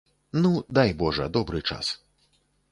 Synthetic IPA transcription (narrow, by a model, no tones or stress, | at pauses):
nud̪ajbɔʐɐ̰d̪ɔbɾɨt͡ʂa̰s